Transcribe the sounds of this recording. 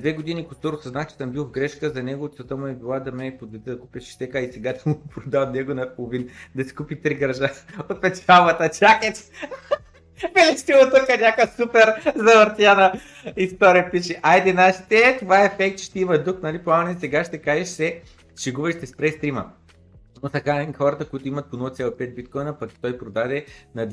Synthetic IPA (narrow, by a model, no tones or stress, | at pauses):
d̪vɛɡod̪inikʊsk̪ɔɾʊsɐznaft͡ʃɛ̥sɐmbilˠvɡɾɛʃkəzɐnɛɡot̪sɐt̪əmʊɛbilˠad̪ɐmɛpod̪vɛt̪ɛd̪ɐkupʲɛʃʃt̪ɛkaisɛɡat̪mpɾod̪at̪nɛɡonɐpolˠʊvind̪ɐsi̥kupit̪ɾiɡɾɐʒaot̪̚pɛt͡ʃalˠvɐt̪ət͡ʃakɛt̪s | vɛlit͡ʃt̪ilˠot̪ukɐnʲakəsupɛɾzɐvɐɾt̪ianɐ | ist̪ɔɾijəpiʃɛʔajd̪ɛnaʃt̪ɛt̪ovaɛɛfɛk̚t̪t͡ʃʃt̪ɛimɐd̪uknɐlipˠamɐnɛsɛɡaʃt̪ɛkaʒɛʃsɛ | t͡ʃɛɡubɛʃt̪ɛspɾɛst̪ɾimɐ̰ | nosɛkaxɔɾɐt̪əkoit̪ʊimɐt̪̚ponɔlˠt̪sʲjɛlˠɐpɛt̪̚bit̪̚kɔjnɐpɐki̥t̪ɔjpɾod̪ad̪ɛnɐd̪